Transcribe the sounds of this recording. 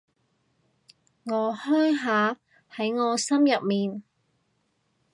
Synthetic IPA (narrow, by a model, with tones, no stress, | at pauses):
ŋɔː˨˧hœː˥jɦaː˨˧ | hɐ˨˥jŋɔː˨˧sɐ˥mjɐ˨p̚miː˨n